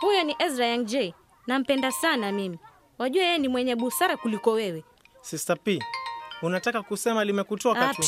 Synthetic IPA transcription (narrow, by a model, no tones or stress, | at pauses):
hujɔniʔɛzɾaaŋd͡ʒɛi | nam̩pɛndasanamimi | waʄuɛjɛɛnimwɛɲɛɓusaɾakulikɔwɛwɛ | sisapiːunatakakusɛmalimɛkutɔka